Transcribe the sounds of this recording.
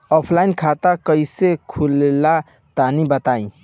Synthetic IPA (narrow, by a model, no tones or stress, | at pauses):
ɔpʰlainkʰat̪akəjsekʰulela | t̪anibət̪aĩ